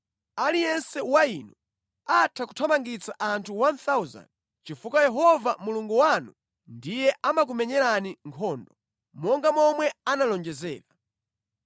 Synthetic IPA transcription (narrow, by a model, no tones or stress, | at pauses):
alijɛnsɛwainu | atʰaku̥tʰɔmaŋɡit͡saʔantʰuwant̪auza̰n | t͡ʃifukajɛɦɔvamuluŋɡuwanu | ndijɛʔamak̬umɛɲɛɾaniŋkʰɔːndɔ | mɔŋɡamɔmwɛanalɔnd͡ʒɛzɛ̰ːɾa